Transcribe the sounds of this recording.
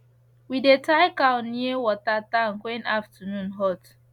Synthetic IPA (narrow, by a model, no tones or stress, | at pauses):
widetaɪkãʊnːiewɔtatãnkwɛ̃naftənũnɦɔt